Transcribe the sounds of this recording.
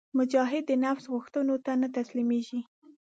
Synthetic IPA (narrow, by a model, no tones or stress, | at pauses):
mʊd͡ʒɑɦɪd̪ːənafsɣʊxt̪ənot̪anat̪aslimeʒi